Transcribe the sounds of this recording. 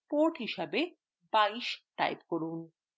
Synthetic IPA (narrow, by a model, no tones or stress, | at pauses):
poɾʈɦiʃabe | baiʃʈa̰jpkoɾun